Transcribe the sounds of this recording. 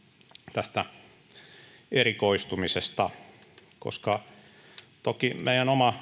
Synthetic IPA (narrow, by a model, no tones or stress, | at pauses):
t̪æst̪æ | erikoist̪umisest̪ɑko̰skɑ | t̪okimeijænomɑ